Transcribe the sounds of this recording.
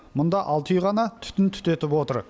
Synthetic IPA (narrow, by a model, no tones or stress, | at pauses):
mʊnd̪ɑʔɑlˠt̪ʰʏjʁɑnɑt̪ʰʏ̥t̪ɪnt̪ʰʏ̥t̪e̞t̪ɪpwo̞t̪əɾ